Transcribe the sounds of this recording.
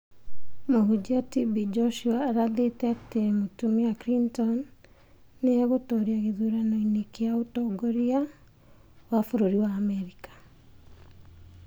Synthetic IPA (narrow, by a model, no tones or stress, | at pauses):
moɦud͡ʑiatibid͡ʒɔʃuaːɾaðetɛatemotumeakɾintɔnː | eaɣotɔɾiaɣeðuɾanoinekeaotɔɡoɾia | wafoɾoɾiwaːmɛɾikḁ